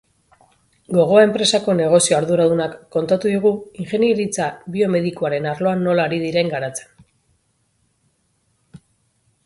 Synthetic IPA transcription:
ɡo̞ɣ̞o̞ae̞mpɾe̞sako̞ne̞ɣ̞o̞sio̞aɾðuɾaðunakːo̞nt̪at̪uðiɣ̞uiŋxe̞njeɾit͡saβio̞me̞ðikuaɾe̞naɾlo̞anːo̞laːɾið̞iɾe̞ŋɡaɾat͡se̥n

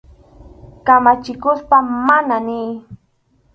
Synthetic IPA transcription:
kamat͡ʃɪkʊspamananɪj

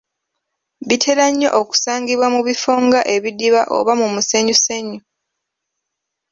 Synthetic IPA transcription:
βitʰe̞ɾaɲːo̞̰ʔoku̥saːŋɡiβwamuβifoːŋɡaʔe̞βidiβaʔo̰βamumuseɲuseɲu

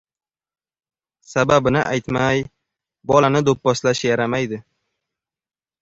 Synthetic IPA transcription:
sababɪnɪʔajt̪maj | bɒlanɪd̪opːɒslaʃjaɾamajd̪ɪ

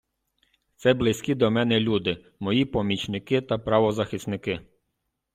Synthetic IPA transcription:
t̪sɛblˠɪsʲkʲid̪ɔmɛnɛlʲud̪ɪ | mɔjipɔmʲit͡ʃnɪkɪt̪ɐpɾɑʋɔzɐxɪsnɪkɪ

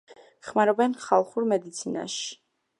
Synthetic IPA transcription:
χmaɾɔbɛnχalˠχuɾmɛd̪it̪sʰina̰ʃi̥

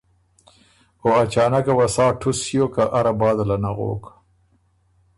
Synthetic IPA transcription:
oat͡ʃɑːnakawasɑːʈʰusjokaʔaɾabɑːd̪alanaɣo̰ːk

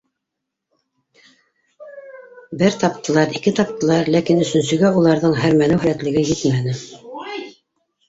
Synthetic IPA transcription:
bɘɾt̪ɑpt̪ɤ̆lˠɑɾikɘt̪ɑp̚t̪ɤ̆lˠɑɾlækinɵ̆sɵ̆nsɵ̆ɡæulˠɑɾðɤɴɦæɾmænɘwɦælæt̪lɘ̆ɡɘjɘt̪mænɘ

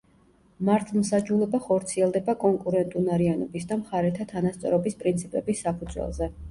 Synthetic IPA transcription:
maɾt̪ʰmsad͡ʒulɛbaχɔɾt̪sʰiɛlˠd̪ɛbakʼɔŋkʼuɾɛnt̪ʼunaɾianɔbisd̪amχaɾɛt̪ʰat̪ʰanast̪sʼɔ̰ɾɔbispʼɾint̪sʰipʼɛbisːapʰud̪zwɛ̰lˠzɛ

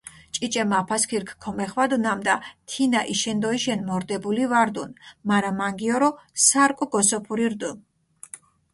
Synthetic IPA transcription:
t͡ʃʼit͡ʃʼɛmapʰaskʰiɾkʰkʰɔmɛχvad̪unamd̪at̪ʰinaʔiʃɛnd̪ɔiʃɛnmɔɾd̪ɛbulivaɾd̪unmaɾamaŋɡiɔɾɔsaɾkʼɔɡɔsɔpʰuɾiɾd̪un

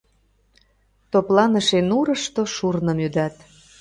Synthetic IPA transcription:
t̪oplɑnəʃenuɾə̆ʃt̪oʃurnə̆myd̪ɑt̪

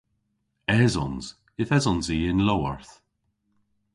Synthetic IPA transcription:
ɛzɔ̰nz̥ | ɪθɛzɔnziːɪnlɔwa̰ɹθ

